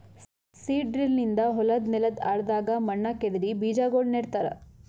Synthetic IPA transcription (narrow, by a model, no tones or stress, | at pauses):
siːɖɾilnind̪ɐɦɔlɐd̪nɛlɐd̪aːɽɐd̪aːɡɐmɐɳːɐked̪ɐɾibiːd͡ʒaːɡoːɭneːɽt̪aːɾɐ̰